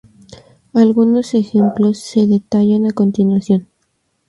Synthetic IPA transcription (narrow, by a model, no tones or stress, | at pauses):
alɣuno̞se̞xe̞mplo̞sːe̞ðe̞t̪aʝanako̞nt̪inwasjo̞n